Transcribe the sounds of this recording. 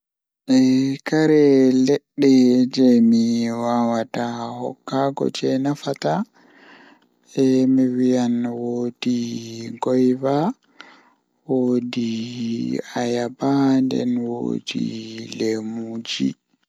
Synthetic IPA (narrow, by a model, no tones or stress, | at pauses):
ʔɛkaɾɛlɛɗːɛd͡ʒɛmiwawatahɔ̰kːaɡɔ̰d͡ʒɛnafata | ɛmiwijanwoːd̥iɡɔjva | wodi | ajabandɛ̰nwo̰ːdḭlemud͡ʒḭ